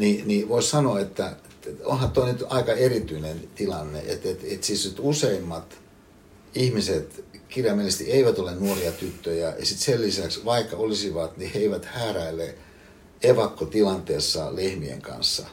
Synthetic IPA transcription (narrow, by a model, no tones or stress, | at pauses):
niniʋoissɑnoɑet̪ːæeo̰nhɑt̪oinyt̪ɑikɑerit̪yinent̪ilɑnːḛʔḛt̪et̪et̪sisnyt̪useimːɑt̪ | ihmiset̪kirjɑmelest̪ḭʔeiʋæt̪olennuoriɑt̪yt̪ːøjæɑsit̪selːisæksʋɑikːɑolisiʋɑt̪niheiʋæt̪hæːræilːˑe | eʋɑkːot̪ilɑnt̪eːsːɑlehmiḛŋkɑ̰nsːɑ̰